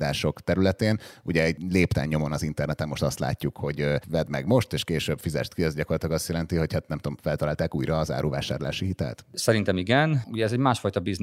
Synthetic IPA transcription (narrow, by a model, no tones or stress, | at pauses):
d̪aːʃo̞kt̪ɛɾylɛt̪eːnuɟɛɛɟleːpt̪ɛ̰ɲːo̞mo̞nɒzint̪ɛrnɛt̪ɛmːoʃt̪ɒst̪la̰ːcːukho̞ɟvɛd̪mɛɡmo̞ʃt̪eːʃkeːʃøb̥fizɛ̰ʃt̪kiɛzɟɒko̞rlɒt̪ilɒɡɒst̪jɛlɛnt̪iho̞chat̪nɛmt̪oɱfɛlt̪ɒlaːlt̪aːkuːjrɒːza̰ːɾuva̰ːʃa̰ːrla̰ːʃiɦit̪ɛ̰lt̪sɛɾint̪ɛmiɡɛnuɟɛɛzɛɟmaːʃfɒjt̪ɒbiz